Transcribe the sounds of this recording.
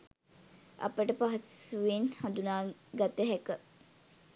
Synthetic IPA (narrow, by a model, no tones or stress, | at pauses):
ʔɐ̰pəʈəpaɦɐsuʋenhãnd̪unaːɡat̪əɦækə